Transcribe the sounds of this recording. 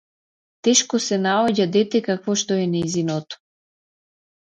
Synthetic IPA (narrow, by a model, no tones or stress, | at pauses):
t̪ɛʃkɔsɛnaɔɟad̪ɛt̪ɛkakvɔʃt̪ɔɛnɛzinɔt̪ɔ̥